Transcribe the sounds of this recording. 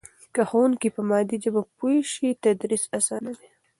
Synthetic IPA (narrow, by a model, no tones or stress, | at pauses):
kaxowunkipəmɑd̪id͡ʒabapuʃit̪ad̪ɾisasɑnad̪e